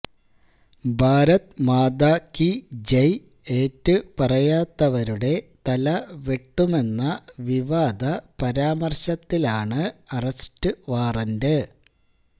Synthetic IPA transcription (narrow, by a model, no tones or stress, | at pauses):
bʱaːɾɐt̪maːd̪aːkid͡ʑej | eːtːɨpɐrɐjaːt̪ːɐʋɐɾuɽe̞t̪ɐlɐʋeʈːume̞nːɐʋiʋaːd̪ɐpɐɾaːmɐrɕɐt̪ːilaːɳɨɐrɐstɨʋaːrɐndɨ